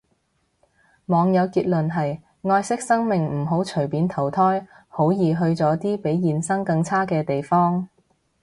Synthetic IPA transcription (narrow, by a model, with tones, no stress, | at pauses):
mɔː˨˧ŋjɐ˨˧wkiː˧t̚lɵ˨nɦɐ˨j | ŋɔː˧jsɪ˥k̚sɐ˥ŋmɪ˨ŋm̩˨˩ɦo˨˥wt͡ʃʰɵ˨˩ɥpiː˨˥nt̪ʰɐ˨˩wt̪ʰɔː˥j | ho˨˥wjiː˨˩ɦɵ˧ɥt͡sɔː˨˥t̪iː˥pe˨˥jːiː˨nsɐ˥ŋkɐ˧ŋt͡sʰaː˥kɛː˧t̪e˨jfɔː˥ŋ